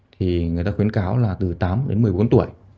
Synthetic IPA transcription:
t̪ʰi˨˩ŋɨ˨˩əjt̪aː˧xi˨˦ənkaː˨˦wlaː˨˩t̪ɨ˨˩t̪aː˨˦mɗe˨˦nmɨ˨˩əjɓo˨˦nt̪u˧˩əj

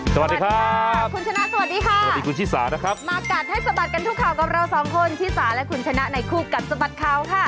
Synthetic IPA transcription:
sswt̚di˧kʰa˦˥kʰu˧nt͡ɕʰa˧na˦˥ʔsa˧wa˨˩diː˧kʰa˥˩˧diː˧ku˧nt̪ʰiː˥˩sa̰ː˩˦na˦˥kʰɾa˦˥p̚maː˧ka˨˩t̪̚ha˥˩jsa˧ba˨˩t̪̚ka˧nt̪ʰu˥kʰːaː˨˩wka˨˩p̚ɾa˧wsɔː˩˦ŋkʰo˧nt̪ʰiː˥˩saː˩˦nlɛ˦˥kʰu˧nt͡ɕʰa˧na˦˥ʔna˧jkʰuː˥˩ka˨˩t̪̚sa˧ba˨˩t̪̚kʰa˦˥wkʰa˥˩

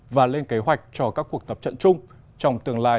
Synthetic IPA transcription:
vaː˨˩le˧nke˨˦ɦwa˨˩jk̟̚t͡ɕɔ˧kaː˦˥kːu˨˩ək̚t̪ə˨˩p̚t͡ɕə̰˧˨nt͡ɕʊ˧ŋ͡m | t͡ɕɔ˧wŋ͡mt̪ɨ˨˩əŋla̰ː˧˨

